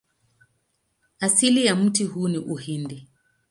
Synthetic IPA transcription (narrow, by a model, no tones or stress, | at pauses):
asilijam̩tihuːniʔuhindi